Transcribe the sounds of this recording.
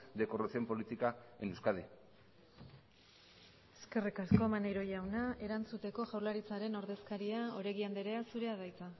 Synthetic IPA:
d̪ekorasio̞mpo̞lit̪ikaenewskaðe | eske̞rikasko̞manejɾo̞ʝawnae̞ɾant͡sut̪e̞ko̞ʝawlaɾit͡saɾe̞no̞ɾðe̞skaɾiao̞ɾeɣiand̪eɾeasuɾe̞að̞ajt͡sa

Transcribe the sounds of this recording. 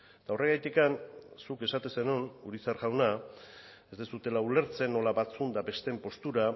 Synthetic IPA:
t̪aore̞ɣajt̪ikansuke̞sat̪esenunuɾisaɾɣawna | e̞zd̪esut̪e̞laule̞ɾt͡se̞nːo̞laβat͡sund̪abe̞st̪e̞mpo̞st̪uɾa

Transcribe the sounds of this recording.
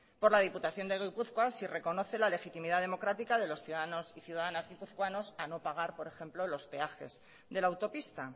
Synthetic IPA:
po̞ɾlað̞iput̪aθjo̞nd̪e̞ɣ̞ipuθkwasire̞ko̞no̞θe̞lale̞xit̪imiðaðe̞mo̞kɾat̪ikaðe̞lo̞sθjuðaðano̞siθjuðaðanazɣipuθkwano̞sano̞paɣ̞aɾpo̞ɾe̞xe̞mplolo̞spe̞axe̞̰z | ðe̞lawt̪o̞pist̪a

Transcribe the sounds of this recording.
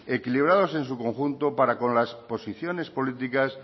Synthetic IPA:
e̞kiliβ̞ɾaðo̞se̞nsukõ̞ŋxunt̪o̞paɾakõ̞nlaspo̞siθjo̞ne̞spo̞lit̪ikas

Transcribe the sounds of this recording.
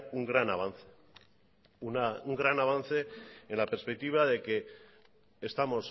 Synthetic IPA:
uŋɡɾanaβ̞an̟θe̥ | unauŋɡɾanaβ̞an̟θe̞enlapeɾspe̞k̚t̪iβ̞aðe̞ke̞ː | st̪amo̞s

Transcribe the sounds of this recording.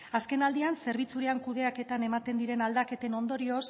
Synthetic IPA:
aske̞nald̪ianse̞ɾβ̞it͡suɾeaŋkuðe̞ake̞t̪ane̞mat̪e̞nd̪iɾe̞nald̪ake̞t̪e̞no̞nd̪o̞ɾio̞s

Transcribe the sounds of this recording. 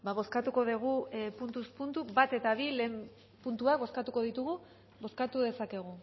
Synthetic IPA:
baβo̞skat̪uko̞ðeɣ̞upunt̪uspunt̪uβat̪e̞t̪aβile̞ːm | punt̪uakbo̞skat̪uko̞ð̞it̪uɣu | bo̞skat̪uðe̞sake̞ɣ̞u

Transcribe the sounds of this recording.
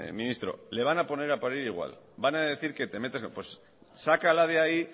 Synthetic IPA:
minist̪ɾo̞̰le̞β̞anapo̞ne̞ɾapaɾiɾiɣ̞wa̰l | banaðeθiɾket̪e̞me̞t̪espwe̞s | sakalað̞eai

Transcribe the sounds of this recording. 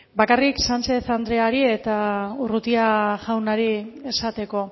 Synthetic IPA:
bakariksant͡ʃe̞θand̪ɾe̞aɾie̞t̪aurut̪iaʝawnaɾie̞sat̪e̞ko̞

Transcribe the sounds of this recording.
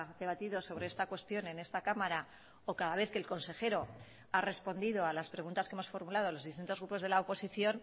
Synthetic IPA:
ðe̞β̞at̪iðo̞so̞β̞ɾe̞est̪akwe̞st̪jo̞ne̞ne̞st̪akamaɾa | okaðaβe̞θke̞ːlko̞nse̞xe̞ɾo̞ | are̞spo̞nd̪iðo̞alaspɾe̞ɣunt̪askeemo̞sfo̞ɾmulað̞o̞lo̞zðist̪int̪o̞ɣɾupo̞zð̞e̞laopo̞siθjo̞n

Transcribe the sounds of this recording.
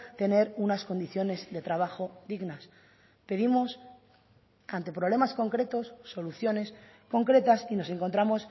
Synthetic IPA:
t̪e̞ne̞ɾunasko̞nd̪iθjo̞ne̞zðe̞t̪ɾaβaxo̞ðiɣnas | pe̞ðimo̞s | ant̪e̞pɾo̞β̞le̞masko̞ŋkɾe̞t̪o̞sːo̞luθjo̞ne̞s | ko̞ŋkɾe̞t̪asino̞se̞ŋko̞nt̪ɾamo̞s

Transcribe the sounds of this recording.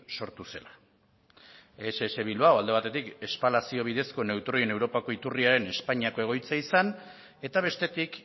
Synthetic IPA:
so̞ɾt̪use̞la | seːse̞βiluawald̪e̞βat̪e̞t̪ike̞spalasio̞β̞iðe̞sko̞ne̞wt̪ɾo̞jene̞wɾo̞pako̞it̪uriaɾe̞ne̞spaɲiako̞e̞ɣ̞o̞jt͡saisan | e̞t̪aβ̞e̞st̪e̞t̪ik

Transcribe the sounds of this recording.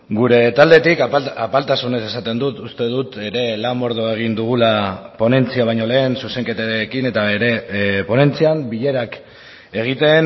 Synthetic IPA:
ɡuɾe̞t̪ald̪e̞t̪ikapalt̪asune̞se̞sat̪e̞nd̪ut̪ust̪e̞ð̞ut̪e̞ɾe̞lamo̞ɾð̞oe̞ɣ̞ind̪uɣ̞ulapo̞ne̞nt͡siaβ̞ajɲo̞le̞ːnsuse̞ŋke̞t̪aekine̞t̪aβeɾe̞po̞ne̞nt͡siambiʎe̞ɾak | e̞ɣ̞it̪e̞n

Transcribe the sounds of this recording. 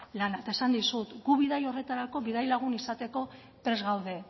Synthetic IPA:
lanat̪aesand̪isut̪ɡuβiðajo̞re̞t̪aɾako̞βiðajlaɣ̞unisat̪e̞ko̞ | pɾe̞zɣawð̞e̞

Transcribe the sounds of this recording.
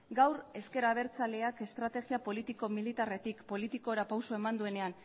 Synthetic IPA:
ɡawɾe̞ske̞ɾaβ̞e̞ɾt͡sale̞ake̞st̪ɾat̪e̞ɣiapo̞lit̪iko̞milit̪are̞t̪ikpo̞lit̪iko̞ɾapawso̞e̞mand̪ue̞ne̞an

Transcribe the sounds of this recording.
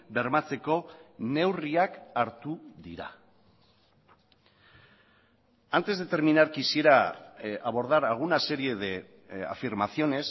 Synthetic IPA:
be̞ɾmat͡se̞ko̞ne̞wriakaɾt̪uðiɾa̰ | ant̪e̞zðe̞t̪e̞ɾminaɾkisieɾaaβ̞o̞ɾðaɾaɣ̞unase̞ɾie̞ðe | a̰fiɾmaθio̞ne̞s

